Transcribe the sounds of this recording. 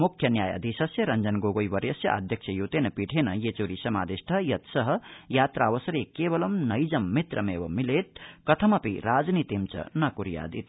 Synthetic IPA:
mukʰjɐnjaːjɐ̰d̪ʱisɐsjɐɾɐnd͡zɐnɡoɡojbɐɾjɐsjɐ̰a̰d̪ʱjɐk̚sʰɐjoːt̪enɐpiʈʰenɐjet͡soːɾisɐma̰ːd̪isʈʰɐjɐt̪sʌɦɐ̆jaːt̪ɾaːʋɐsɐɾekebɐlɐmnɐjd͡zɐmːit̪ɾɐmewɐmileːt̪̚kɐt̪ʰɐmɐpḭɾaːd͡znit̪imt͡sɐ̰nɐkuɾja̰ːd̪ḭt̪

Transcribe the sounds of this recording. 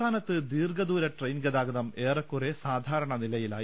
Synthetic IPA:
aːnɐt̪ːɨd̪iːrɡɐd̪uːɾɐʈrejnɡɐðaːɡɐðɐme̞ːrɐkːuresaːd̪ʱaːɾɐɳɐnilɐjila̰ː

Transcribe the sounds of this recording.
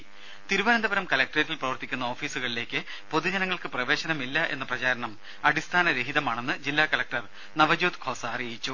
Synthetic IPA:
t̪iɾuʋɐnɐnd̪ɐbɐɾɐmkɐlɐk̚ʈretːilprɐʋɐrt̪ːikʲːunːɐoːfiːsuɣɐɭile̞ːkʲːɨ | po̞ðud͡ʑɐnɐŋːɐɭkɨprɐʋe̞ːɕɐnɐmilːɐʔe̞̰nːɐprɐt͡ɕaːɾɐɳɐm | ɐɽist̪ʰaːnɐɾe̞ɦiðɐmaːɳe̞nːɨd͡ʑilːaːkɐlɐk̚ʈɐr | nɐʋɐd͡ʑoːt̪kʰo̞ːsaːrijit͡ɕːu

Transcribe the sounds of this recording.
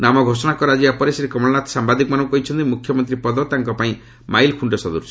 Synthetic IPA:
namɔɡʱosɔɽ̃akɔɾad͡ʒiapɔɾesiɾekɔmɔɭɔnat̪sambad̪ikɔmanɔŋkɔɦit͡ʃʰɔnt̪imukʰːjɔmɔnt̪̬ɾipɔd̪ɔt̪aŋkɔpaĩ | majlkʰuɳɖɔsɔd̪uɾt͡ʃʰ

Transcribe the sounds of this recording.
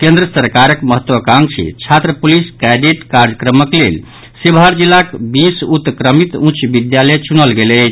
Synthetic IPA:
kẽnd̪ɾəsəɾkaɾəkməɦət̪wəkãŋt͡ʃʰḭt͡ʃʰat̪ɾəpuliskaɖeʈkaɾd͡ʒəkɾəməklel | sibʱaɾd͡ʒilːakbisut̪kɾəmit̪ũt͡ʃʰbid̪jalet͡ʃunəlɡelət͡ʃʰ

